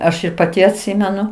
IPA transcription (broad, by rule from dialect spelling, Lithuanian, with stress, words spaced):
ˈɐʃ ɪr pɐˈtʲɪ ɐtʲˈsʲɪmʲɛnʊ